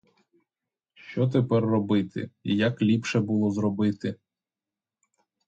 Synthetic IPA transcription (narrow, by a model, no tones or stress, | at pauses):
ʃt͡ʃɔt̪̬epɛrːɔbɪt̪ɪ̰ijɐklʲipʃɛbʊlˠɔzɾɔbɪt̪ɪ